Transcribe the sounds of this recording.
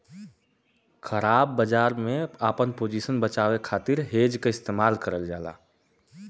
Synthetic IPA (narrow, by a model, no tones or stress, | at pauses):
xʰəɾaːbːəd͡ʒaːɾmẽaːpənpoːd͡ʒiːsənbət͡ʃaːwekʰaːt̪ɪɾɦeːd͡ʒkeɪst̪eːmaːlkəɾəld͡ʒaːla̰ː